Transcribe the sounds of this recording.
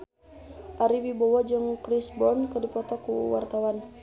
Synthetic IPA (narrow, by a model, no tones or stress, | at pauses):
ʔaɾiwibɔwad͡ʒɨŋkɾisbɔnkədipɔt̪ɔkuwa̰rt̪awan